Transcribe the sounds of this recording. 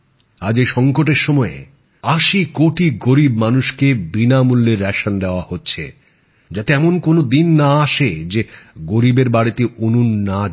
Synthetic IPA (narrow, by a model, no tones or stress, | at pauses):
ad͡ʑejʃɔŋkoʈ̬eɾʃɔmɔe | aʃikoʈiɡoɾibmanuʃkebinamulːeɾːɛʃand̪eoahotːɕʰḛ | d͡ʑat̪eɛmonkonod̪inːaaʃed͡ʑeɡoɾibeɾbaɽit̪eʔonunːa